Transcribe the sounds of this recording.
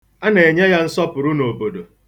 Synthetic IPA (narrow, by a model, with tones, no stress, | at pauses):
a˦ne˨e˨ɲe˦ja˦n̩˦sɔ˦pʊ˨ɾu˦no˨bo˨do˨